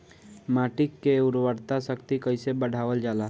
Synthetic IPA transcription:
maːʈɪkːeʊɾwəɾt̪asəkt̪ikəɪsebəɽ̤ʱaːʋəld͡ʒaːla

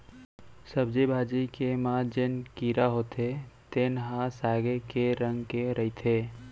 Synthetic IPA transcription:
səbd͡ʒebʱaːd͡ʒikemaːd͡ʒenkiːɾaɦoːt̪ʰet̪eːnɦãsaːɡekeɾə̃ŋɡkeɾəit̪ʰeː

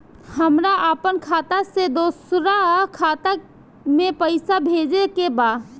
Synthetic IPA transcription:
hɐmɾaʔəpənkʰaːt̪ased̪oːsɾakʰaːt̪a | mẽpəɪsabʱeːd͡ʒekebaː

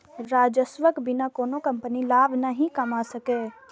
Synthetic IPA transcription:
ɾaːd͡ʒəsʋəkbɪnakoːnokɐmpənilaːbʱnaɦĩkɐmasəkeː

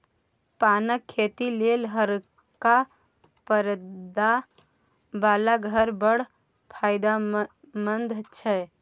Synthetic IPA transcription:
panəkʰːet̪ilelɦəɾ | ka | pəɾd̪a | balaɡʱəɾbəɽ̤ | pʰaɪd̪a | mənd̪ʱt͡ʃʰɛ

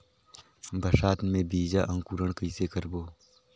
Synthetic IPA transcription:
bʱəʃaːt̪mẽbiːd͡ʒaːʔɐ̃ŋkuɾəɳ̃kəisekəɾboː

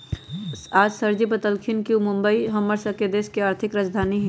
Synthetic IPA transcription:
aːd͡ʒsəɾd͡ʒipət̪əlkʰɪnkiumʊ̃mbəiɦɐmːəɾsəked̪eːskeaːɾt̪ʰɪkɾəd͡ʒd̪ʱaːniɦ

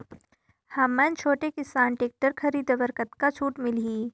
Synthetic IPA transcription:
hɐmːə̃nt͡ʃʰoːʈekɪsaːnʈeːk̚ʈəɾkʰɐɾiːd̪ʋəɾkət̪kat͡ʃʰuːʈmɪliː

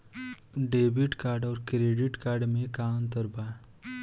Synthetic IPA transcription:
ɖeːbɪʈkaːɾɖɔːɾkɾeːɖɪʈkaːɾɖmẽkaːmt̪əɾbaː

